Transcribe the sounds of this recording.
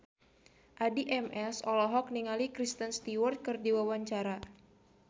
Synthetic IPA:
ʔadiʔɛmʔɛsɔlɔɦɔk̚niŋalikɾist̪ənst̪iwɔrt̪̚kɨrdiwawaɲt͡ʃaɾa

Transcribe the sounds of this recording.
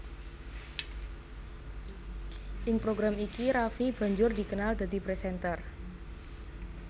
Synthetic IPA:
ʔɪŋpɾoɡɾamikiɾafib̥a̤ɲd͡ʒʊrd̪i̤kənald̪̥a̤d̪̥i̤pɾesɛnt̪ər

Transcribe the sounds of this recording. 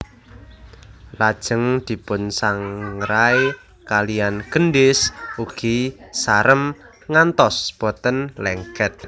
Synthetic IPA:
lad̥ʒ̥əŋd̪̥i̤pʊnsaŋɾaj | kalijanɡ̥ənɖɪsuɡ̥isaɾəm | ŋant̪ɔsb̥ɔ̤t̪ənlɛŋkɛt̪̚

